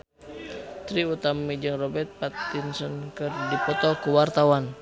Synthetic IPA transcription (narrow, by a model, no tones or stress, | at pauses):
t̪ɾiut̪amid͡ʒɨŋrɔbɛrt̪̚pat̪ːinsənkɨrdipɔt̪ɔkuwart̪awan